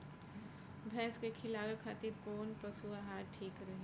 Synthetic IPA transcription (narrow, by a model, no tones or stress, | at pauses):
bʱɛ̃ːskekʰɪlaːwekʰat̪iɾpoːnpəsuaɦaːɾʈʰiːkɾəɦe